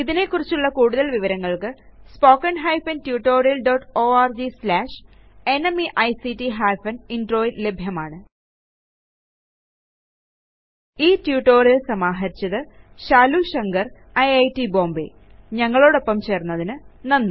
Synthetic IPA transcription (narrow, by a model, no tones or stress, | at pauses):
iðine̞kːurit͡ɕːuɭːɐkuːɽuðɐlʋiʋɐɾɐŋːɐɭkɨspo̞ːkːɐnɦɐjfɐntjuːʈːo̞ːrijɐlɖoʈːoːaːrd͡ʑislaːʂe̞nɐmiʔɐjsitiɦaːjfɐninɖroːjlle̞bʱjɐmaːɳɨ | iːtjuːʈːo̞ːrijɐlsɐmaːɦɐɾit͡ɕːɐðɨɕaːluɕɐŋɡɐr | ɐjɐjtibo̞ːmbḭ | ɲɐŋːɐɭo̞ːɽo̞pːɐmt͡ɕe̞ːrnːɐðinɨnɐnːu